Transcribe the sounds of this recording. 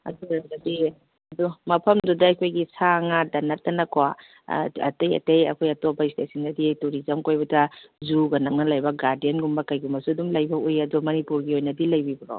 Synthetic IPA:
ɐ̰duɾaɡɐbi | ɐdumɐpʰɐmdudɐɐjkʰojɡisaŋadɐnɐtːɐnɐkʰoa | ɐ̰tejɐ̰tejɐ̰kʰojɐtɔbɐistesiŋɐdituɾizɐmkojbɐdɐzuɡɐnɐŋnɐlajbɐɡaɾdienɡumbɐkɐjɡumɐsuɐdumlɐjbɐujɐdumɐnipuɾɡiojnɐdilɐjbibiɾo̰

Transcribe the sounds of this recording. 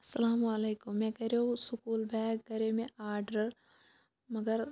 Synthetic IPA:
ɐsɐlaːmaleːkʊmːɛ̃ːkɐɾjoũsʊkuːlbɛːkɡɐɾemẽʔaːɾɖəɾ | mɐɡəɾ

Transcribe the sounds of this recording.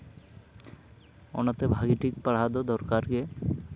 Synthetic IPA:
ɔ̰nat̪ebʱaɡiʈik̚paɽ̤ad̪od̪ɔɾkaɾke

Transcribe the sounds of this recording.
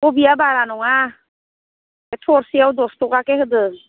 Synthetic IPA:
obiabaɾanɔŋa | etʰɔɾsiawdɔstɔkakehɯdɯ

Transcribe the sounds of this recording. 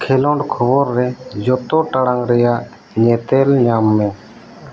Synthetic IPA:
kʰelɔɳɖkʰɔbɔɾːɛd͡ʒɔt̪ɔʈaɽaŋɾɛja | ɲɛːt̪elɲaːmːɛ̃

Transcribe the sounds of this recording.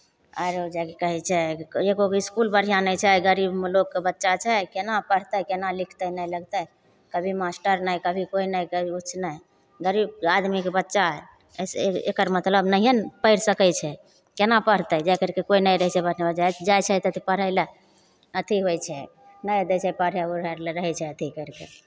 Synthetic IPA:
əɾod͡ʒɛkekəɦɛt͡ʃʰɛeɡoiskulbəɽ̤ijanət͡ʃʰɛɡəɾibmelokːebətːʃat͡ʃʰɛkenapəɽ̤t̪əkenalikʰt̪ənəjləɡt̪ə | kəbʱimasʈəɾnəjkəbʱikoinəjkəbiutːt͡ʃʰːnəj | ɡəɾib̚ad̪mikebətːʃa | sḛkəɾmət̪ləbnəɦijənpəɪɾsəkɛt͡ʃʰɛ | kenapəɾt̪əd͡ʒɛkəɾkekoinəjɾəɦt͡ʃʰɛbəɾnebəd͡ʒajd͡ʒajt͡ʃʰɛt̪ət̪ʰipəɾ̤əɪlə | ət̪ʰiɦojt͡ʃʰɛ | nəjd̪et͡ʃʰɛpəɾ̤jabəɾəɾleɾəɦɛt͡ʃʰɛət̪ʰikəɾkḛ

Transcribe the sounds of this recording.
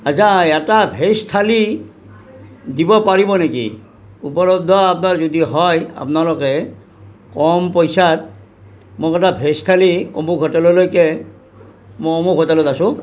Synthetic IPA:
azaɛtabʱestʰali | dibɔpaɹibɔnekḭ | upɔɹɔb̚d̪ʱɔapnaɹzodiɦɔja̰pnalɔkɛ | kɔmpɔjsat̚ | mokɔtabʱestʰaliomukɦɔtɛlɔlojkɛ | moomukɦɔtɛlɔtasʊ̃

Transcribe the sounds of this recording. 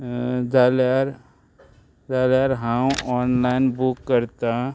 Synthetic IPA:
dalaɾ | d̪aːlaɾɦãɔːnlaɪnbukːəɾt̪ã

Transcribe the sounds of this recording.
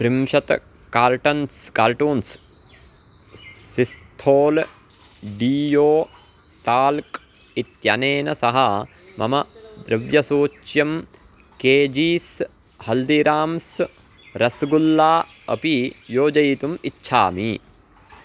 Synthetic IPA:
pɾimʃɐt̪ | kaːɾʈɐnskaːlʈuːns | sist̪ʰoːl | ɖiːjoː | ʈaːlk | it̪jɐ̰neːnɐsɐɦɐ | mɐ̰mɐd̪ɾɐʋjɐsoːt͡ʃjɐm | keːd͡ʒiːs | hɐld̪iɾaːms | ɾɐsɡulːaː | ɐ̰pijoːd͡ʒɐjt̪umitːʃʰa̰ːmi

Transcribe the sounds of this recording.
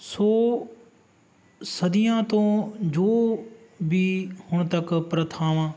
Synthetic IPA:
soː | sɐd̪ijãːt̪õːd͡ʒoːbʱiːhʊɽ̃t̪ɐkpɾət̪ʰaːʋãː

